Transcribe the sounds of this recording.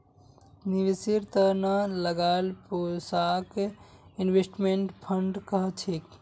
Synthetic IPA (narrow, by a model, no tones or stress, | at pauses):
niʋisiɾt̪ənaləɡalposakinʋesʈmeɳʈpʰəɳɖkəɦət͡ʃʰik